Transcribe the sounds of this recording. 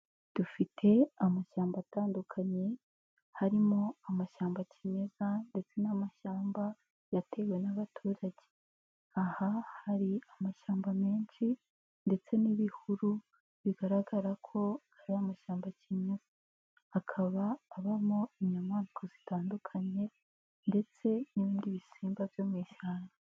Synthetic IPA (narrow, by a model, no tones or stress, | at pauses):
d̥ufitʰe̞amaʃaːmbaːtaːndukʰaɲe̞ | haɾimo̞amaʃaːmbacʰiɲe̞zande̞t͡se̞namaʃaːmba | jatʰe̞we̞naβatʰuːɾaɟe̥ | ahahaɾiamaʃaːmbame̞ːnʃi | nde̞t͡se̞niβihuɾu | βiɡaɾaɡaɾakʰo̞haɾiamaʃaːmbacʰiɲez̥aː | kʰaβaːβamo̞iɲɲamaːnikʰozitaːndukʰaɲe̞ | nde̞t͡se̞niβiːndiβisiːmbavjomwiːʃaːna